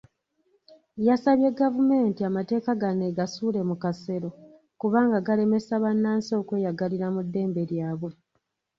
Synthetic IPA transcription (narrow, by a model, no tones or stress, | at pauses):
jasaβje̞ɡavume̞ːntiamate̞ːkaɡane̞ːɡasuːle̞mukase̞ɾo̞ | kuβaːŋɡaɡale̞me̞saβanːaːnso̞kwe̞ːjaɡaliɾamudːe̞ːmbe̞ɾjaːβwe̞